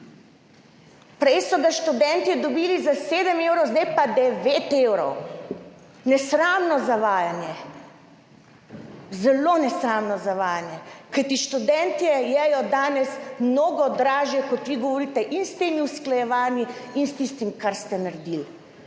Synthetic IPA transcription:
pɾɛjsɔɡaʃt̪ud̪ɛnt̪id̪ɔbiːlizaseːd̪əmewɾɔwzd̪ajpad̪ɛʋet̪ewɾɔw | nɛsɾaːmnɔzaʋaːjanjɛ | zɛlonɛsɾaːmnɔzaʋaːjanjɛkajt̪iʃt̪ud̪ɛnt̪ɛjɛjɔd̪aːnɛsmnoːɡɔd̪ɾaːʒjɛkɔt̪ʋiɡɔʋɔɾiːt̪ɛʔinst̪eːmiusklajɛʋaːniinst̪ist̪imkaɾst̪ɛnaɾd̪il

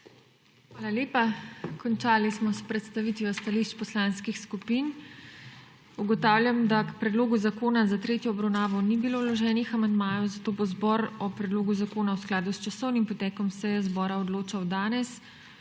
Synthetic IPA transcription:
xʋaːlaleːpakɔnt͡ʃaːlismɔspɾɛt̪st̪aʋit̪ʋiɔst̪aliʃt͡ʃpɔslaːnskixskupiːn | uɡɔt̪aːwlʲjamd̪apɾɛd̪loːɡuzakoːnazat̪ɾeːt̪jɔːbɾawnaːʋɔnibiloːwlɔʒɛːnixamand̪maːjɔzat̪oːbɔzbɔɾɔpɾɛd̪loːɡuzakoːnawsklaːd̪ust͡ʃasɔwnimpɔt̪ɛːkɔmsɛjɛzbɔːɾaɔd̪loːt͡ʃawd̪aːnɛs

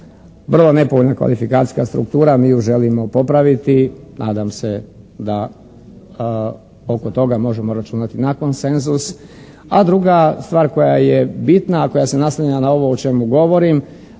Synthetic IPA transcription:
ʋr̩lˠone̞poʋoʎnakʋa̰lifikat̪i̥skast̪ɾṵkt̪uːɾamiːuʒe̞limo̞po̞pɾaʋit̪inʔaːd̪amse̞ | d̪a | o̞kot̪o̞ɡamo̞ʒe̞mo̞ɾat͡ʃunat̪inako̞nse̞nzus | ad̪ɾuɡast̪ʋaːɾko̞jaje̞bit̪nako̞jasenasaɲanao̞ʋo̞ot͡ʃe̞muɡo̞ʋo̞ɾim

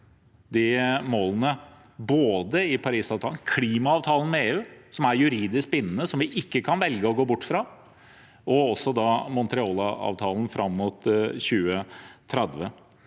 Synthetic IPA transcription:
d̪ɪmoːlnə | boːd̪əɪpʰɑɾiːsɑːʋt̪ʰɑln̩kʰliːmɑɑːʋt̪ʰɑːlən̩mɛeːʉːsɔmæɾjʉɾiːd̪ɪsk̚bɪnːənəsɔmʋɪʔɪkːəkʰɑnʋɛlɡəɔɡoːbʊʈːfɾɑ | ɔɔsɔd̪ɑmɔnt̪ɾɛɔlɑɑ̰ːʋt̪ʰɑːln̩fɾʔɑmːuːt̪ɕʉːət̪ʰɾɛd̪ʋə

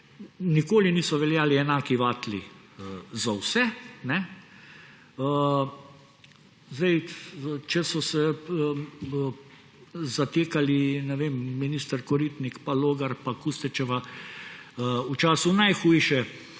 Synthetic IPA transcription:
nikoːliniːsɔʋɛljaːliɛnaːkiʋaːt̪lḭ | əzawsɛnɛ | ə | zd̪ɛjt͡ʃɛsɔsɛ | zat̪eːkalinɛʋeːmːiniːst̪əɾkɔɾit̪nikpaloːɡaɾpakust̪ɛt͡ʃɛʋa | ut͡ʃaːsunajxujʃɛ

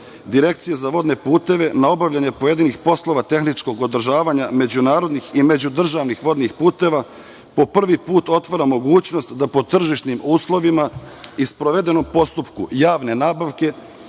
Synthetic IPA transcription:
d̪iɾe̞kt̪sijezaʋo̞d̪ne̞puːt̪e̞ʋe̞nao̞baʋʎaɲe̞poje̞d̪inixpo̞slˠo̞ʋat̪e̞xnit͡ʃko̞ɡo̞d̪r̩ʒaːʋaɲame̞d͡ʑunaːɾo̞d̪nixime̞d͡ʑud̪r̩ʒaʋnixʋo̞d̪nixpuːt̪e̞ʋa | po̞pr̩ʋipuːt̪o̞t̪ʋaɾamo̞ɡuːt͡ɕno̞st̪d̪apo̞t̪r̩ʒiʃt̪nimuːslˠo̞ʋimaispɾoʋe̞d̪e̞no̞mpo̞st̪upkujaːʋne̞naːbaʋke̞

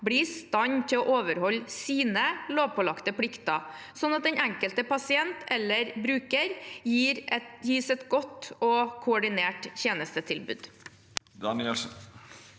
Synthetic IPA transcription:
bɽiːst̪ɑɲt̪ʰɪloːʔoːʋəɾhɔlsiːnəloːʋpʰɔlɑkt̪əpʰɽɪkt̪ɑ | sɔnːɑt̪̚d̪ɛnæŋkəlt̪əpʰɑsɪɛnt̪ɛlːəɾbɾʉːkəɾjiːɾɛjiːsɛt̪ɡɔt̪ːɔːkʰʊɔɖɪneːʈçeːnəst̪ət̪ʰɪlbʉ̰ːd̪ | d̪ɑnɛ

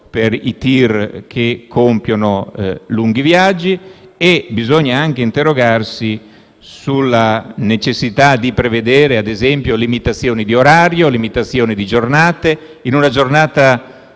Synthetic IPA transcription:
peɾḭt̪irkʰekʰːompjonoluŋɡ̟ivjad͡ʒːi | ebizoɲːaaŋk̟eint̪erːoɡarsi | sulːanet͡ʃesːit̪ad̪ipɾeved̪eːɾead̪ezɛmpjolimit̪at̪sːjoːnid̪ioɾaːɾjolimit̪at̪sːjoːnid̪id͡ʒornaːt̪e | inunad͡ʒornaːt̪a

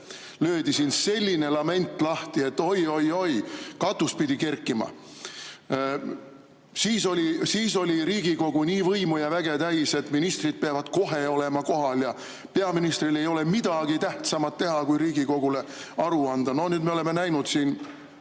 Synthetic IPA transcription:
løːd̪isinse̞lʲːine̞lɑme̞nʲt̪ːˑlɑht̪ie̞t̪ːo̞jo̞jo̞jkɑt̪ːuspid̪̥ike̞rkːˑimɑ̰ | siːso̞lʲisiːso̞lʲiɾiːɡ̥iko̞ɡ̥uniːvɤjmujɑvæɡ̥e̞t̪æjse̞t̪ːˑminist̪rid̪̥̚peɑvɑd̪̥ko̞ɦe̞o̞lemɑko̞ɦɑljɑ | pe̞ɑminist̪rile̞jo̞le̞mid̪̥ɑɡ̥it̪æht̪sɑmɑt̪ːe̞ɦɑkujɾiːɡ̥iko̞ɡ̥ule̞ | ɑɾuɑnd̪̥ɑno̞nyːd̪me̞ole̞me̞næjnud̪̥siːn

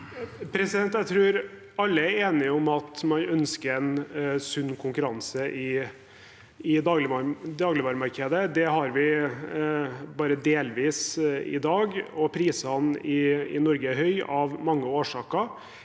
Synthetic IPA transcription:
pʰɾɛsɪd̪ɛnt̪æɪt̪ʰɾʉːɾ | ɑlːəæeːnɪɔmɑt̪mɑnœnskəɾɛnsʉnːkʰʊŋkʉɾɑnsəʔɪ | ɪd̪ɑːɡlɪd̪ɑːɡlɪʋɑːɾmɑɾkʰeːd̪əd̪ɛɦɑɾʋɪ | bɑːɾəd̪eːlʋiːsɪ̰d̪ɑːɡɔpʰɾiːsɑnɪɪ̰nɔɾɡəɦœʏɑʋmɑŋːəoːʂɑːkəɾ

